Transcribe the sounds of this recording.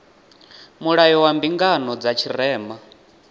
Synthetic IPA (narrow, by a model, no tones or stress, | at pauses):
muɺajɔwambiŋɡanɔd͡zat͡ʃʰiɾɛːma